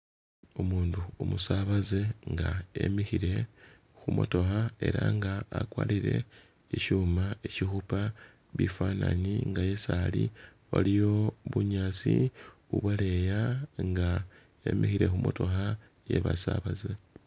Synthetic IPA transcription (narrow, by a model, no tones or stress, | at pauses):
omuːnduomusaβazeŋɡae̞̰mixiɾe̞ | xumo̞̰to̞xae̞ɾaŋɡaːkwaːliɾe̞ | iʃuːmaeʃixupa | βifananiŋɡaje̞sali | olijo̞βuɲaːt͡siuβwale̞jaŋɡa | ḛmixiɾe̞xumʔo̞to̞xa | je̞̰βasaβaze